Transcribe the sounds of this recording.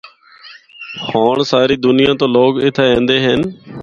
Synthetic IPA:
haːɳsaːɾiːd̪ʊnɪjãːt̪õːloːɡɪt̪ʰeːẽːnd̪eːɦən

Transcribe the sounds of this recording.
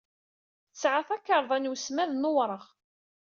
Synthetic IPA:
sʕaθækːəɾˤðˤænwsmæðnowɾˤəʁ

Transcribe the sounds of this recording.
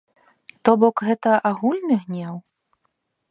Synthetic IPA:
t̪ɔbɔkɣɛt̪ɐʔaɣulʲnɨɣnʲaw

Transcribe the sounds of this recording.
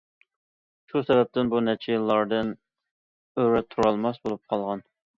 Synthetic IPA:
ʃusɛbɛp̚t̪ʰɪnbunɛt͡ʃʰilˠːɑɾd̪ɨn | øɾɛt̪ʰːuɾɑlˠmɑsbolˠup̚qʰɑlˠʁɑn

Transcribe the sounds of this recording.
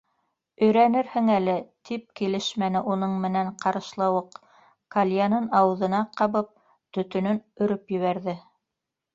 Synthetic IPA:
ɵ̆jɾænɘɾhɘŋælɘt̪ʰip̚kilɘʃmænɘʔunɤɴmɘ̆næɴqɑɾɤ̆ʃlˠɑwɤq | kalʲjanɤnɑwɤ̆ðɤ̆nɑqɑβɤp̚ | t̪ɵ̆t̪ɵ̆nɵnɵ̆ɾɵpjɘ̆βæɾðɘ

